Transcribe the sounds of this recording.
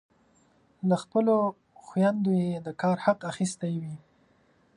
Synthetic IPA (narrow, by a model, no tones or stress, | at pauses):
laxpəlo | xwjand̪ojed̪əkɑɾhaqaxist̪ajwi